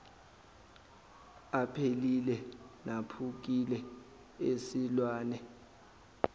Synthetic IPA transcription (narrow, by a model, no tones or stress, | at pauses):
apʰelilɛnapʰuk̬ilɛ | esilwaːnɛ